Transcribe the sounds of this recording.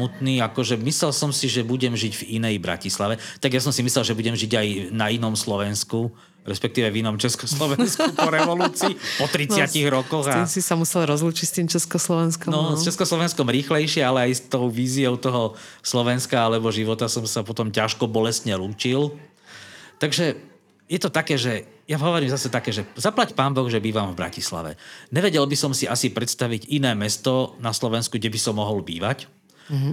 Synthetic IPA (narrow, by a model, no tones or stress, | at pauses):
mut̪niːakɔʒɛmislɛlsɔmsiʒɛbuɟɛmʒiɟvinɛjbɾa̰cislaʋɛt̪aɡjas̬ɔmsimislɛlʒɛbuɟɛmʒiɟajnainɔmslɔʋɛnsku | ɾɛspɛk̚t̪iːʋɛvinɔmt͡ʃɛskɔslɔʋɛnnskupɔɾɛʋɔluːt͡siːpɔt̪ɾit͡sɪaciɣɾɔkɔɣainsisamusɛlɾɔzluːt͡ʃicst̪imt͡ʃɛskɔslɔʋɛnskɔnɔst͡ʃɛskɔslɔʋɛnskɔmɾiːxlɛjʃɪɛalɛajst̪ɔʊʋiːziɔʊt̪ɔɦɔ | slɔʋɛnskaalɛbɔʒiʋɔt̪asɔmsapɔt̪ɔmcaʃkɔbɔlɛst̪ɲɛluːt͡ʃil | t̪aɡʒɛ | jɛt̪ɔt̪akɛːʒɛjaɦɔʋɔɾiːmzasɛt̪akɛːʒɛzaplacpaːmbɔɣʒɛbiːʋamvbɾa̰cisla̰ʋɛ̰ɲɛʋɛɟɛlbisɔmsiasipɾɛt̪st̪aʋiɟinɛːmɛst̪ɔnaslɔʋɛnskuɡɟɛbisɔmːɔɦɔlbḭːʋac